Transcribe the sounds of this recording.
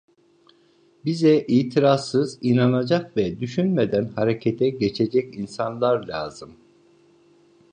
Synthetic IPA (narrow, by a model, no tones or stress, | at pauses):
bizɛʔiːt̪ʰiɾasːɯzinanad͡ʒakvɛd̪yʃynmed̪ænhaɾecʰet̪ʰɛɟe̞t͡ʃʰe̞d͡ʒɛcinsanlˠaɾlʲaːz̥ɯm